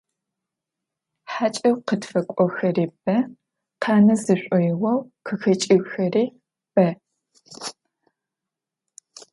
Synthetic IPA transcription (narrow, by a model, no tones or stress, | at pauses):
ħat͡ʃʼɐwqətfɐkʷʼɔxɐriːb̥ɐ | qʰɑːnɐzɨɕʷʼɔjɪwɐwqʰəxɐt͡ʃʼɪwxɐriː | b̥ɐ